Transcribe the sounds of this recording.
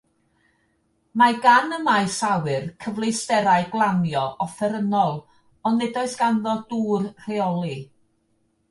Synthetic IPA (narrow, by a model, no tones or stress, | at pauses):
maɡanəmajsawɨrkʰəvlˠestɛɾaɨɡlˠanjɔʔɔfɛɾənɔlˠ | ɔnːɛdɔɨsɡ̥anðɔduːrr̥ɛɔlˠi